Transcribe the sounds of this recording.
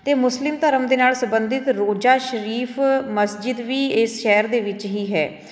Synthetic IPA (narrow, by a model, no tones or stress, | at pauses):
t̪eːmʊslɪmt̪əɾəmd̪eːnaːlsəbənd̪ɪt̪ɾoːd͡ʒaːʃəɾiːfməsd͡ʒɪd̪ʋiːɪsʃɛːəɾd̪eːʋɪt͡ʃɦiːɦɛː